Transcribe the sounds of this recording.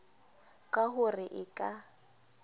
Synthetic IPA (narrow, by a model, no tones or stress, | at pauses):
kʼaɦʊrɪʔɪkʼa